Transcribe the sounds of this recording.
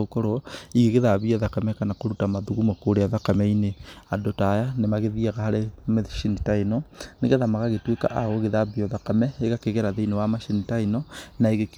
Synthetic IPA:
ukɔɾɔiɣeɣeðaβiaðakamɛkanakoɾutamaðuɣumokoɾeaðakamɛineadotajanemaɣeðiaɣahaɾemeʃinitainɔneɣɛðamaɣaɣetweka̰ʔaɣoɣeðaβiɔðakamɛeɣakeɣeɾaðeinewamaʃinitainɔnaiɣek

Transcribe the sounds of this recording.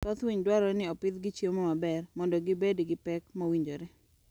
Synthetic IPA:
t̪ɔt̪wiɲdwaɾɔnɪɔpɪt̪ɡɪt͡ʃjemɔmabɛrmɔndɔɡibedɡɪpɛkmowiɲd͡ʒoɾɛ

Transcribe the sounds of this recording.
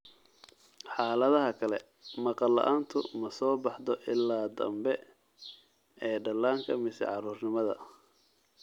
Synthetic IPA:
ħɑːlɐðɐɦɐkʰɐlɛ | mɑqɑlːɐ̰ʔaːnt̪ʰʊ̰mɐsɔːbɑħd̪ɔʔɪlːaːd̪ɐ̰mbɛ | ɛːɖɐlaːŋkʰɐmɪsɛ̰ʕɑɾuːrnɪmɐðɐ̰

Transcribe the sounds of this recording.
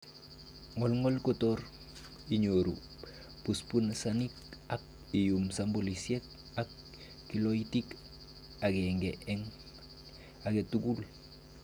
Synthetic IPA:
ŋolŋolkotoɾ | iɲoɾṵ | puspunsanik̚ak̚ | ijumsambolisiek̚ | akː | iloitik | aɡeŋɡeʔeŋ | aɡetuɡul

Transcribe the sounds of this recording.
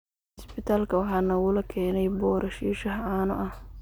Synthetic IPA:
ɪsbɪt̪ʰaːlkʰɐwɑħɑːnɐɣʊlɐkʰɛːnɛjbɔːɾʔɐʃiːʃɐɦɐʕɑːnɔ̰ʔɐh

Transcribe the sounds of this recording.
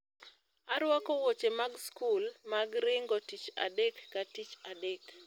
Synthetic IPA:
aɾwakowot͡ʃemaɡskulmaɡɾɪŋɡotit͡ʃa̰dekːatit͡ʃadek

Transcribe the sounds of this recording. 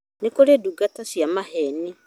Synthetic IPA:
nekoɾeduɡatasjamahɛni

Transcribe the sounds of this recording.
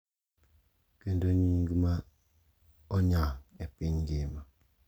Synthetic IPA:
kəndoɲiŋɡima | ɔɲaŋepiɲɡima

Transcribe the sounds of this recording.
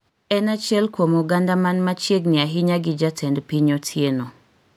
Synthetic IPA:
ɛnat͡ʃɛlkwomuɡandamanmat͡ʃeɡnɪaɦɪɲaɡid͡ʒatʰɛndpiɲɔtʰjeno

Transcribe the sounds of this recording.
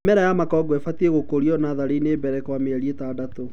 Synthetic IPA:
mɛɾajamakɔɡɔɛfatieɣokoɾiɔnaðaɾeineːbɛɾɛkwameaɾietaːdato

